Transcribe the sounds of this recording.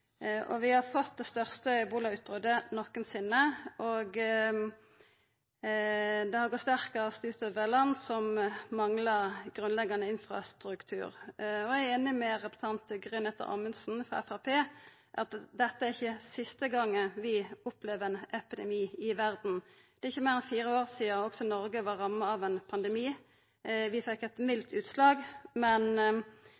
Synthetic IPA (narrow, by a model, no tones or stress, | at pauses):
ʔɔʋɪhɑfɔt̪̚d̪ɛst̪œʁst̪əbuːlɑʉːt̪̚bʁød̪ənɔkːənsɪnːəʔɔɡ | d̪ɛhɑɾɡɔt̪st̪æʁkəʁəst̪ʉːt̪ʰəʋəlɑnsɔmmɑŋlɑʁɡʁʉnlɛɡɑnəɪnfʁɑ̰st̪ɾʉkt̪ʰʉ̰ːɾɔæɪeːnɪmɛʁɛpsɑnt̪ɡʁʏnɛt̪ːə̰ʁɑ̰mənsn̩fɾɔ̰ɛ̰fæʁpʰeː | ʔɑt̪d̪ɛt̪ːəæɾɪçːəsɪst̪əɡɑŋːəʋɪʊplɛʋɛnɛpɪd̪ɛ̰miːɪʋæɾd̪n̩ | d̪̥ɛɪçːəmeːʁɛnfiːɾəoːʁsiːəɔksɔnɔʁɡəʋɑʁɑmːəɑʋɛnpʰɑnd̪ɛmiː | ʋɪfɛkːɛt̪mɪlt̪ʰʉːt̪slɑːɡmɛn